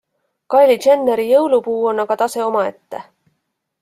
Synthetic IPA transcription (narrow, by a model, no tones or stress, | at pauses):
kɑjlʲit͡ʃenːeɾijɤwlupuːo̞nːɑɡ̥ɑt̪ɑse̞o̞mɑe̞t̪ːe